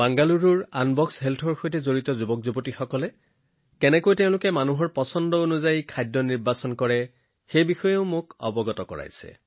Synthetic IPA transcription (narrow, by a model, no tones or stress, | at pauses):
baŋɡaluɹuɹanbɔksɦɛltʰɔɹxojtɛzoɹitɔzubɔk̚zubotixɔkɔlɛ | kɛnɛkojtɛʊ̃lʊkɛmanuɦɔɹpɔsɔndɔonuzajkʰajdːɔniɹbasɔnkɔɹɛ | xejbixɔjeʊmʊkɔ̰bɔɡɔtɔkɔ̰ɹa̰jsɛ̰